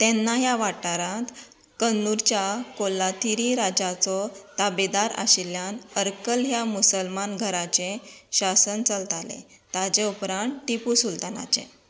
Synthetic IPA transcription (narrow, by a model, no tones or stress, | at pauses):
t̪ɛnːajaʋaʈaɾãt̪ | kənːuɾt͡ɕjakolːat̪ʰiɾiɾad͡ʑat͡sɔt̪abid̪aɾa̰ɕilːjanəɾkəlɦjamusəlmanɡʱəɾat͡ɕẽɕasənt͡səlt̪alḛ | t̪ad͡ʑeupɾãɳʈʈipusult̪ana̰t͡ɕḛ̃